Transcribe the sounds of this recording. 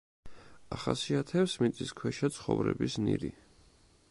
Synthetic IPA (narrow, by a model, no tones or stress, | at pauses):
aχasiat̪ʰɛpsmit̪sʼiskʰwɛʃat̪sʰχɔvɾɛ̰bisniɾi